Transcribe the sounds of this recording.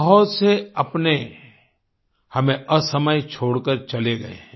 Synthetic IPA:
ɦʊt̪seɐpne | hɐmẽʔɐsɐməjt͡ʃʰoːɽkəɾt͡ʃɐleɡɐḛɦɛ̃

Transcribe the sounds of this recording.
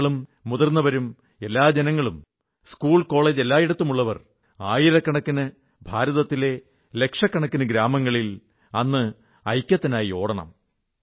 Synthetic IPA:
ɭumːuðɐrnːɐʋɐɾum | e̞lːaːd͡ʑenɐŋːɐɭum | skuːɭko̞ːɭeːd͡ʑe̞lːaːjiɽɐt̪ːumuɭːɐʋɐr | aːjiɾɐkːɐɳɐkːinɨ | bʱaːɾɐðɐt̪ːile̞ | le̞kʂɐkːɐɳɐkːinɨɡɾaːmɐŋːɐɭil | ɐnːɨ | ɐjkʲjɐt̪ːinaːjio̞ːɽɐɳɐ̰m

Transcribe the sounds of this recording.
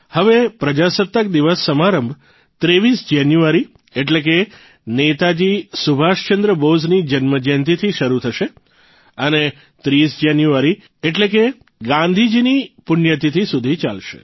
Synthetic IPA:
həʋepɾəd͡ʒasət̪ːək̚d̪iʋəsːəmaɾəmbʱ | t̪ɾeʋisd͡ʒanjuaɾi | eʈlek̬e | net̪ad͡ʒisubʱaʃt͡ʃənd̪ɾəboznid͡ʒənməd͡ʒənt̪̬it̪ʰiʃəɾut̪ʰəʃe | əne | t̪ɾisd͡ʒanjuaɾi | eʈleke | ɡãnd̪ʱid͡ʒinipʊnjət̪̬it̪ʰisud̪ʱit͡ʃa̰lʃḛ

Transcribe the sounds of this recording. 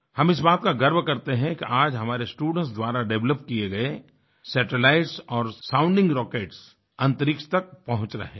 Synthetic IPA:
hɐmɪs̬baːt̪̚kaɡɐɾbkɐɾt̪eɦɛ̃kiʔaːd͡ʒɦɐmaːɾesʈuːɖə̃ɳʈs̬d̪waːɾaɖɛʋləpkieɡɐe | sɛːʈəlaːɪʈsɔːɾsãːʊ̃ɳɖɪ̃ŋɡɾɔːkeːʈs | ɐ̃nt̪əɾɪkʃt̪ɐk̚pɐɦʊ̃t͡ʃɾɐ̰ɦẽː

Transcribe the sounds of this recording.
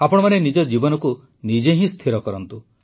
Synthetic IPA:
apɔɽ̃ɔmanenid͡ʒɔd͡ʒibɔnɔku | nid͡ʒeɦĩst̪ʰiɾɔkɔɾɔnt̪u

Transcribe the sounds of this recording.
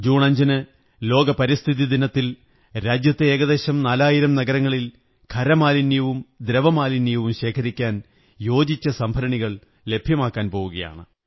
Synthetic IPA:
d͡ʑuːɳɐɲd͡ʑɐnɨ | lo̞ːɡɐpɐɾist̪ʰiðid̪inɐt̪ːil | ɾaːd͡ʑjɐt̪ːe̞eːɡɐðe̞ːɕɐmnaːlaːjiɾɐmnɐɡɐɾɐŋːɐɭil | kʰɐɾɐmaːlinjɐʋumd̪ɾɐʋɐmaːlinjjɐʋumɕe̞ːkʰɐɾikʲːaːn | jo̞ːd͡ʑit͡ɕːɐsɐmbʱɐɾɐɳiɣɐɭ | le̞bʱjɐmaːkːaːnpo̞ːʋuɣɐja̰ːɳɨ

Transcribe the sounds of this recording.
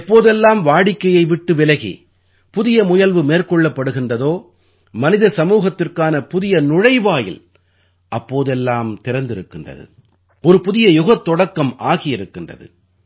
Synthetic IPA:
pːoːðɛlːaːmʋaːɽɪkːɐjɐɪʋɪʈːɯʋɪlɐɣḭː | pʊðɪjɐmʊjɐlʋɯmeːrkɔɭːɐpːɐɽɯɣɪndrɐðoː | mɐnɪðɐsɐmuːɣɐt̪ːɪrkaːnɐpʊðɪjɐnʊɻɐɪʋaːjɪ̰l | ʔɐpːoːðɛlːaːmt̪ɪɾɐnd̪ɪɾɯkːɪndrɐ̰ðɯ̰ | ɔɾɯpʊðɪjɐjʊɣɐt̪ːɔɽɐkːɐmaːɣɪjɪɾɯkːɪndrɐ̰ðɯ̰

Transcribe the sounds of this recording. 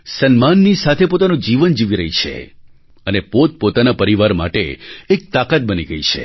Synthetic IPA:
sənmanːisat̪ʰepot̪anõd͡ʒiʋənd͡ʒiʋiɾəɦit͡ʃʰḛ | ənepot̪̚pot̪anapəɾiʋaɾma̰ʈḛːk̚t̪akat̪̚bəniɡəit͡ʃʰḛ

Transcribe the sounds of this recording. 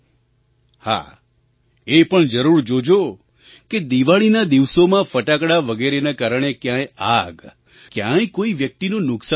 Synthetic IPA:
ha̰ | epəɳd͡ʒəɾuɾd͡ʒod͡ʒo | ked̪iʋaɭinad̪iʋsomãfəʈakɽaʋəɡeɾenakaɾəɳ̃ekjãjaɡ | kjãjkoiʋjək̚t̪inũnʊksa

